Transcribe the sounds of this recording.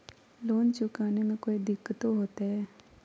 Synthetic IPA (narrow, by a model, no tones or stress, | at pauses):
loːnt͡ʃʊkaːnemẽkoːid̪ɪkːət̪oɦoːt̪eɦɛ